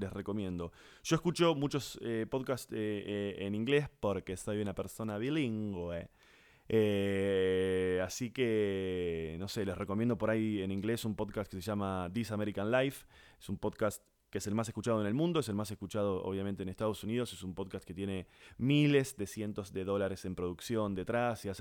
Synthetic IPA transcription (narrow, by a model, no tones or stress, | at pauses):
le̞sre̞ko̞mje̞nd̪o̞ | ʒ̥oeskut͡ʃo̞mut͡ʃosepo̞ðkast̪eeniŋɡle̞spo̞ɾkesaβiunapeɾso̞naβiliŋɡwe | e | asike | no̞se̞le̞sre̞komjend̪opo̞ɾajenĩŋɡle̞sumpo̞ðkast̪keseʒamaðisameɾikanlajfesumpo̞ðkast̪ | keese̞lmas̬e̞skut͡ʃað̞oene̞lmũnd̪oes̬e̞lmase̞skut͡ʃað̞o̞o̰βjament̪enest̪að̞o̞sunið̞o̞se̞sumpo̞ðkast̪ket̪je̞ne̞mile̞zðe̞sje̞nt̪o̞zðe̞ðo̞laɾese̞mpɾo̞ð̞uksjo̞nd̪e̞t̪ɾasias